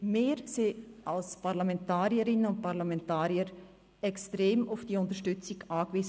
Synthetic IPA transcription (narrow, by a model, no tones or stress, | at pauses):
meːɾsealspʰaʁlamɛntaːɾjəɾɪnənʊnt̚paʁlamɛntaːɾjəɾ | ɛkstɾeːmʊfd̥iːʊntəʃtʏt͡sɪɡʔaːkviz